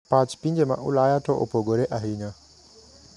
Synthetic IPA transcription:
pat͡ʃpiɲd͡ʒɛma̰ʔṵlaːjatɔʔɔ̰poɡɔɾɛʔaɦina

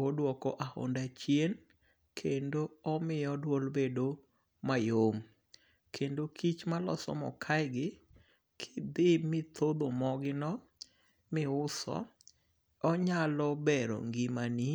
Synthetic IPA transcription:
odwɔkɔʔaho̰ndat͡ʃjen | kʰendoɔmɪjɔdwɔlbedo | majom | kʰendokʰit͡ʃmalɔ̰sɔ̰mɔ̰kʰajɡɪ | kʰɪd̪ɪmɪt̪ʰod̪omɔɡɪnɔ | mɪʊsɔ̰ | ɔɲalɔbeɾo̰ŋɡimani

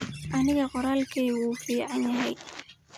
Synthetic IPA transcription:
ʔɐnɪɣɐqɔɾaːlkʰiːwuːfiːʕɑnjɐɦɛj

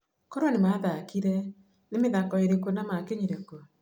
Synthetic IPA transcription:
koɾanemaðakiɾɛ | nemeðakɔeɾekonamakeɲiɾeko

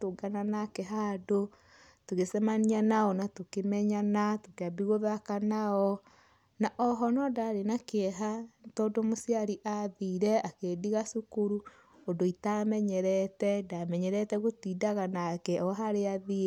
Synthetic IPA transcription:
toɡananakɛɦado | toɣesɛmanianaɔnatokemɛɲanatokeabiɣoðakanaɔ | naʔɔɦɔnɔdaɾenakeɛɦatɔːdomosiaɾiʔaðiɾɛakediɣasukuɾu | ondoitamɛɲɛɾɛtɛdamɛɲɛɾɛtɛɣotidaɣanakɛɔɦaɾeaði

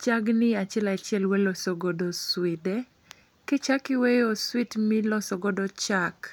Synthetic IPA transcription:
t͡ʃaɡnɪat͡ʃɪɛlat͡ʃɪɛlwɛlɔsɔɡɔdɔswɪdɛ | ket͡ʃakɪwejoswitmɪlɔsɔɡɔdɔt͡ʃak

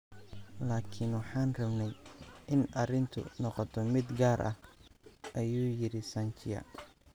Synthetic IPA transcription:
laːkʰɪnwɑħɑːnrɐβnɛjʔɪnɐrɪnt̪ʰʊ̰nɔqɔt̪ʰɔmɪd̪ɡaːɾʔɐ̰h | ʔɐjuːjɪɾɪsɐnt͡ʃʰɪjɐ̰

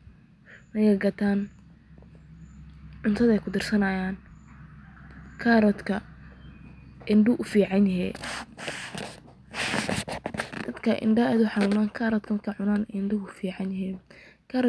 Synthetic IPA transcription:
mɐjɛɡɐt̪ʰaːn | ʕʊnt̪ʰɐðɛjkʰʊd̪ɪrsɐnɐjaːn | kʰaːɾɔd̪kʰɐ | ɪnɖʊʔʊfiːʕɑnjɐɦɛ̰ː | d̪̥ɐd̪kʰɐʔɪ̰nɖɐɛːd̪ʊħɑnuːmaːŋkʰaɾɔd̪kʰɐkʰɐʕʊnaːnɛnɖʊʊfiːʕɑnjɪɦiːn | kʰaːɾ

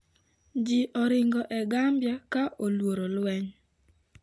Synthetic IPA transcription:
d͡ʒiʔɔɾɪŋɡɔʔɛɡambjakaʔolwoɾolwɛɲ

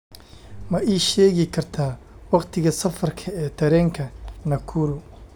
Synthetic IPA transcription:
mɐʔiːʃɛːɣɪkʰɐrt̪ʰaː | wɑqt̪ʰɪɣɐsɐfɐrkʰɐɛːt̪ʰɐɾɛːŋkʰɐnɐkʰuːɾʊ

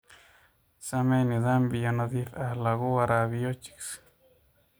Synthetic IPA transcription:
samenid̪ambijanad̪iθalaɣuaɾaβijot͡ʃi̥ks

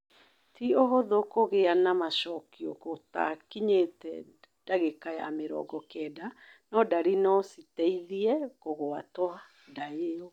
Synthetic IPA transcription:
tioɦoðokoɣeanamaʃɔkiokota̰kiɲetɛ̰ | d̥aɣekajameɾɔ̰ːɡɔkɛda | nɔdaɾinɔsitɛiðiɛkoɣoatwa | daeo

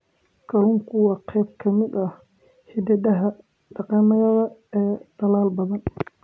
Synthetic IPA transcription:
kʰɐlʊŋkʰʊwɑqʰɛjb̚kʰɐmɪd̪ɐh | hɪd̪ɐdɐɦɐ | ɖɑqɑːmɐɣɐðɐɛːd̪̥ɐlaːlbɐðɐn

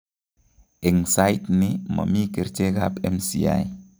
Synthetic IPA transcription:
eŋsajtnima̰mikeɾt͡ʃeɡapemsia̰j

